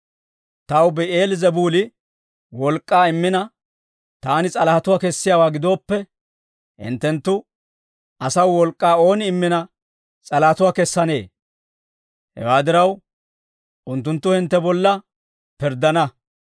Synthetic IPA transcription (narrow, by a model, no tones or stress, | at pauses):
t̪ɐwbɛe̞ːlɪzɛbuːlɪ | wɔlkʼːaːɪmːɪnɐ | t̪aːnɪt͡sʼɐlɐhɐt̪ʊwaːkɛsːɪjaːwaːɡɪd̪o̞ːpːɛ | hɪ̰nt̪ːɛnt̪ːʊ | ʔɐsɐwːɔlkʼːaːo̞ːnɪɪmːɪnɐ | t͡sʼɐlɐhɐt̪ʊwaːkɛsːɐne̞ː | hɛ̰waːd̪ɪɾɐw | ʔʊnt̪ːʊnt̪ːʊhɪnt̪ːɛbɔlːɐ | pɪɾd̪ɐnɐ